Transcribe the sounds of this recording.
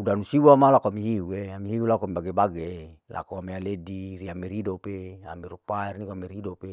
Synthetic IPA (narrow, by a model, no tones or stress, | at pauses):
udanusiwamalakoamiɦiueamiɦiulakoamibaɡebaɡelʔa̰koamealediɾiamiɾidopea̰miɾupaɛrnikoameɾidope